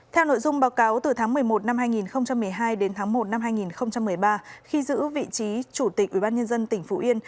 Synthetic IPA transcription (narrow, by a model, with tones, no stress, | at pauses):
t̪ʰɛ˧wno̰˧˨jzʊ˧ŋ͡mɓaː˨˦wkaː˨˦wt̪ɨ˨˩t̪ʰa˨˦ŋmɨ˨˩əjmo˨˩t̚na˧mhaː˧jŋi˨˩nxə˧wŋ͡mt͡ɕa˧mː˨˩əjɦaː˧jɗe˨˦nt̪ʰaː˨˦ŋmo˨˩t̚na˧mɦaː˧jŋi˨˩nxə˧wŋ͡mt͡ɕa˧mːɨ˨˩əjɓaː˧xi˧zɨ̰˧˥vḭ˧˨t͡ɕi˨˦t͡ɕu˧˩t̪i˨˩k̚ʔwi˧˩ɓaː˧ɲə˧nzə˧nt̪ï˧˩ŋ̟fu˨˦ʔi˧ən